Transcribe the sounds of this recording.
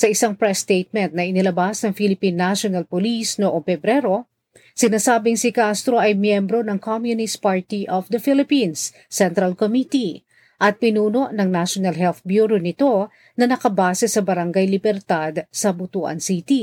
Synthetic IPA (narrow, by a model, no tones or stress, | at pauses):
sɐʔɪsaŋpɹɛst̪ejt̪̚mɛnt̪̚nɐʔɪnɪlɐbasnɐŋfilɪpinːaʃonɐlpolisnoʔoŋfɛbɾɛɾo̞ | sɪnaːsaːbɪŋsikast̪ɾo̞ʔɐjmjɛmbɾo̞nɐŋkʰomjʊnɪst̪̚paɹt̪iʔofd̪ɐfilɪpinsː | ɛnt̪ɾɐlkomit̪i | ʔɐt̪̚pɪnuːno̞ʔnɐŋnaʃonɐlɦɛlθbjuɾonɪt̪o̞ | nɐnɐkɐbaːsɛsɐbɐɾɐŋɡajlɪbɛɾt̪ad̪sɐbʊt̪uːʔɐ̰nsit̪i